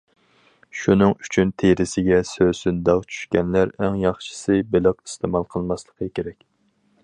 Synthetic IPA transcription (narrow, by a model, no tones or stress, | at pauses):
ʃunɨŋyt͡ʃʰynt̪ʰeɾɪsɪɡʲɛsøsynd̪ɑqt͡ʃʰy̥ʃkʲɛnlæɾɛŋjɑχʃɨ̥sɨbɪlɑqi̥st̪ʰɨmɑlˠqʰəlˠmɑslˠəqʰəkʲeɾɛkʲ